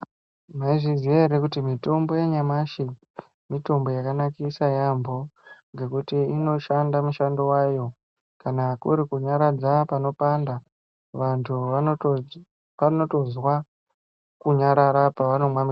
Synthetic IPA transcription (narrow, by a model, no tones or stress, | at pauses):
maiʐizieɾekutimito̞mbo̞jeɲamaʃi | mito̞mbo̞jakanakisajambo̞ŋɡe̞kutiino̞ʃandamuʃandowajo̞ | kanakuɾikuɲaɾad͡zapano̞panda | ʋantʰuʋa | ano̞to̞zwa | kuɲaɾaɾapaʋano̞mwami